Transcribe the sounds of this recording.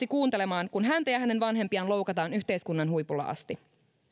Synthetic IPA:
ikuːnt̪e̞le̞mɑːnkunɦænt̪æjɑhæne̞nʋɑnɦe̞mpiɑnlo̞wkɑt̪ɑːnyçt̪e̞jskunːɑnɦujpulːɑ̰ʔɑ̰st̪i

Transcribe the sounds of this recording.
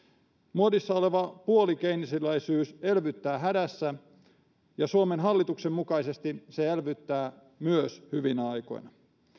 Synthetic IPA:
muodisːɑo̞le̞ʋɑpuolikeinisilːæisyːse̞lʋyt̪ːæːɦædæsːæ | jɑsuomenɦɑlːit̪uksemːukɑise̞st̪iseelʋyt̪ːæː | myøshyʋinæɑjko̞̰jnɑ

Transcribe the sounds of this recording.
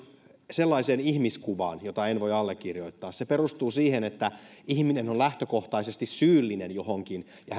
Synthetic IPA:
selːɑiseːnihmiskuʋɑ̰ːnjot̪ɑenʋoiɑlːekːirjoit̪ːɑːsseperust̪uːsiːhenet̪ːæihminenonlæht̪økoht̪ɑisest̪issyːlːinenjohoŋkin | jɑ

